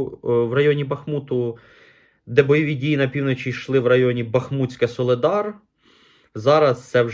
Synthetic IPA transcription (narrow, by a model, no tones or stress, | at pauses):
ʋrɐjɔnʲibɐxmut̪ʊ | d̪ɛbɔjɔʋʲidʲijinɐpʲiwnɔt͡ʃʲiʃlˠɪwrɐjɔnʲibɐxmut͡sʲkɐsɔlˠɪd̪ɑr | zɑɾɐst̪sɛw